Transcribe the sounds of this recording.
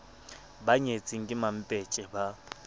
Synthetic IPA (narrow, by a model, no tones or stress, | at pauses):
baɲet͡sʼiŋ̩kʼɪmam̩pʼet͡ʃʼɪba